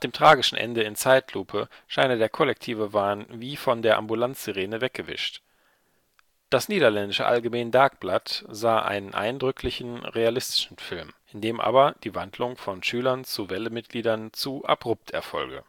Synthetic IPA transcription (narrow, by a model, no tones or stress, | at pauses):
d̥eːmtʁ̥aːɡɪʃn̩ʔɛ̰ndəɪnt͡saɪtʰluːpʰəʃaɪnədeːɐkʰɔlɛk̚tʰiːvəvaːnviːfɔndeːɐʔa̰mbulant͡sz̥eʁeːnəvɛk̚ɡ̥əvɪ̰ʃt | d̥asniːɾɐlɛndɪʃəʔa̰lɡəmeːndaɐk̚b̥latz̥aːʔa̰ɪnənʔa̰ɪndʁʏkʰlɪçn̩ʁealɪstɪ̥ʃn̩fɪlmʔɪndeːmʔa̰ːbɐd̥iːvandlʊŋfɔnʃyːlɐnt͡suvɛləmɪt̚ɡ̥liːdɐnt͡suʔa̰bʁʊp̚tʰɛ̰ɐfɔ̰lɡə̰